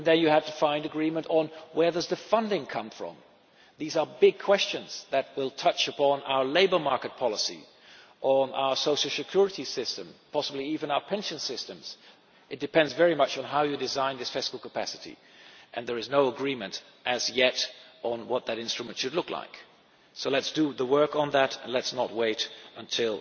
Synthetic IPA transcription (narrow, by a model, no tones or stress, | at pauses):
nðɨ̃njɨhæftɨfãɪ̃ndɨɡɹĩmə̃ntn̩wə˞ðʌzðɨfʌ̃ndɪ̃ŋkʰʌ̃ɱfɹʌ̰̃m | ðizə˞bɪɡ̚kʰw̥ɛst͡ʃɨ̃nz̥ðɨt̚wɪlˠtʰʌt͡ʃɨpʰɑ̃na̰ʊə˞leɪbə˞mɑɹkɨt̚pʰɑlˠəsḭ | ʔn̩a̰ʊə˞soʊʃl̩ˠsɨkʰj̥ʊɹɨɾisɪstɨ̃mpʰɑsəbliivɨ̃naʊə˞pʰɛ̃nʃɨ̃nsɪstɨ̃mz̥ | ʔɨt̚d̥ɨpʰɛ̃ndzvɛɹimʌt͡ʃn̩ɦaʊjɨdɨzãɪ̃nðɪsfɪskl̩ˠkʰəpʰæsɨɾḭ | ʔɨ̃nðə˞ɨznoʊəɡɹĩmɨ̃nt | ʔɨzjɛɾn̩wʌt̪̚ðɨɾɪ̃nstɹ̥ɨmə̃ntʃɨdˡlʊkla̰ɪk | soʊlɨtsd̥ɨðəwɜ˞kn̩ðæɾə̃nlɨtsnət̚weɪɾə̃ntʰɪlˠ